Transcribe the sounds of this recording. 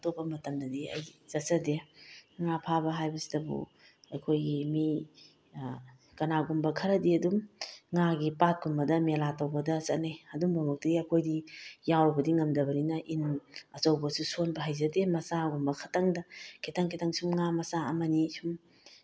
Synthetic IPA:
topːɐmɐtɐmdɐdiɐ̰jz̥ɐtsɐdeŋapʰabɐɦajbɐsi̥dɐbṵ | ɐjkʰojɡimi | kɐnaɡumbɐkʰɐɾɐdiɐdumŋaɡipat̚kunbɐdɐmelatɐwbɐdɐsɐt̚najɐduŋbamok̚tidiɐjkʰojdijawbɐdiŋɐmdɐbɐninɐʔinɐt͡ʃɐwbɐsusonbɐɦajzɐdemɐsaɡumbɐkʰɐtaŋdɐkʰitʰaŋkʰitaŋsumŋamɐsaɐmɐnisum

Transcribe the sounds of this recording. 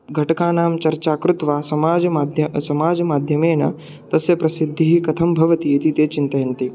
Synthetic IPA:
ɡʱɐʈɐkaːnaːmt͡ʃɐɾt͡ʃaːkɾut̪ʋaːsɐmaːd͡ʒɐmaːd̪ʱjɐsɐmaːd͡ʒɐmaːd̪ʱjɐmeːnɐ̰ | t̪ɐsjɐpɾɐsid̪ʱːiɦikɐt̪ʰɐmbʱɐʋɐt̪iit̪it̪eːt͡ʃint̪ɐjɐnt̪i

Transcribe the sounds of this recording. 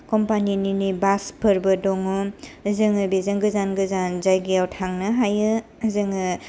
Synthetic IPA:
kɔmpanininibaspʰɯɾbɯdɔŋɯmzɯŋɯbezɐŋɡɯzanɡɯzanzajɡijawtʰaŋnɯɦajɯ | zɯŋɯ

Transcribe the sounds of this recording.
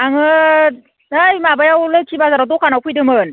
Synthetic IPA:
aŋɯ | ɯjmabajawlɯt͡ʃʰibazaɾadɔkʰanawkʰujdɯmɯn

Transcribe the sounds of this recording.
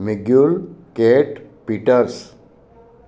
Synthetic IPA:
miɡjuɭkeʈpiːʈəɾs

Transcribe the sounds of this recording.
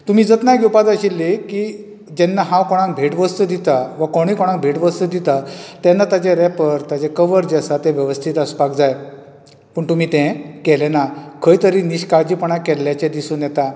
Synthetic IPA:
t̪um̤iːd͡zət̪naɡupad̪əɕilːekiː | d͡ʑenːaɦãwkɔɽ̃ãŋk̚bʱeʈʋəst̪ud̪it̪aʋəkoɽ̃ikɔɽ̃ãŋk̚bʱeʈʋəst̪ud̪it̪at̪ɛnːat̪ad͡ʑeɾɛpəɾt̪ad͡ʑekəʋəɾd͡ʑəsat̪ẽʋjəʋəst̪ʰit̪əspakd͡zaj | pəɳt̪um̤iːt̪ẽkelenakʰəjt̪əɾiniɕkaɾd͡ʑipəɳakɛlːjat͡ɕẽd̪isunjɛt̪a

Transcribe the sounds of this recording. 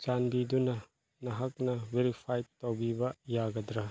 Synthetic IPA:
d͡ʒanbidunɐ | nɐɦɐk̚nɐbeɾipʰajtawbibɐjaɡɐdɾɐ

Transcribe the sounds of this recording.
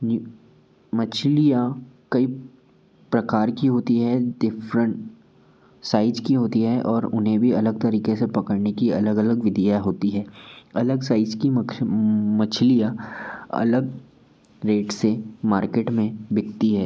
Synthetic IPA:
mɐt͡ʃʰlijakɐi | pɾɐkaːɾkiɦoːt̪iɦɛɖɪfɾə̃ɳʈ | saːɪd͡ʒkiɦoːt̪iɦɛʔɔːɾʊnɦẽbʱiɐləɡ̚t̪ɐɾiːkesepɐkəɽnekiɐ̰ləɡɐləɡʋɪd̪ʱijaɦoːt̪iɦɛːɐləɡsaːɪd͡ʒki | mɐt͡ʃʰlijaɐ̰ləɡ | ɾeːʈsemaːɾkeːʈmẽbɪkt̪iɦɛː

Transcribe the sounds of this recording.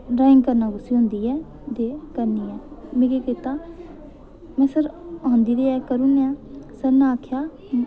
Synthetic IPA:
ɾaːɪ̃ŋɡkəɾnaːɡʊsiːɦʊ̃nd̪iːɛː | d̪eːkəɾniːɛːmẽːɡeːkeːt̪aː | mɛ̃ːsəɾãːnd̪iːɾeːɛːkəɾuːnãːsəɾnaːkʰjaː

